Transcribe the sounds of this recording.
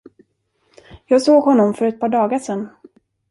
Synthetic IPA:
jɑːɡsoːɡhɔnːɔmfœɾɛt̪̚pʰɑːɖɑːɡaʂɛn

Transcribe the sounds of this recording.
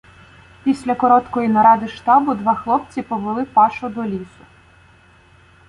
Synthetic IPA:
pʲisʲlʲɐkɔɾɔt̪kɔjinɐɾɑd̪ɪʃt̪ɑbʊd̪ʋɑxlˠɔpt͡sʲipɔʋelˠɪpɑʃʊd̪ɔlʲisʊ

